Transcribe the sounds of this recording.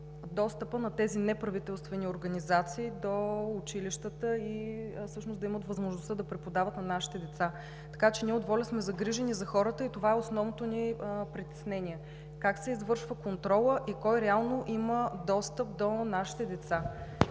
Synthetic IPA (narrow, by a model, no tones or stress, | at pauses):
d̪ɔst̪əpənɐt̪ɛzinɛpɾɐvit̪ɛlˠst̪vɛnioɾɡɐnizat̪siːd̪oʊt͡ʃiliʃt̪ət̪əifsɤʃnosd̪ɐimət̪vɐzmoʒnost̪əd̪ɐpɾɛpod̪avət̪nɐnaʃi̥t̪ɛd̪ɛt̪sa | t̪ɐ̥kat͡ʃɛniɛod̪vɔlʲəsmɛzɐɡɾiʒɛnizɐxɔɾət̪əit̪ovaɛosnɔvnot̪onipɾit̪ɛ̥snɛnʲiɛ | kaksɛizvɤɾʃvəkont̪ɾɔlˠəʔikɔjɾɛalˠnoʔiməd̪ɔst̪əp̚d̪onaʃi̥t̪ɛd̪ɛt̪sa